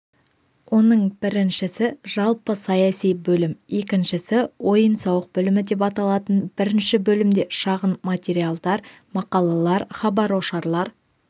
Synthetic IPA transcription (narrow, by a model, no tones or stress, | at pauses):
wʔo̞nəɴb̥ɪɾɪnʃɪsɪʒ̥ɑlˠpəsɑjɑsijbɵlɪmje̞kʲɪnʃɪsɪwʔo̞jənsɑwəq̚bʏlɪmɪd̪e̞pɑt̪ɑlˠɑt̪ənbɪɾɪnʃɪbɵlɪmd̪e̞ʃɑʁənmat̪ʲe̞ɾijalˠd̪ɑɾ | mɑqɑlˠɑlˠɑɾχɑbɑɾwo̞ʃɑɾlˠɑɾ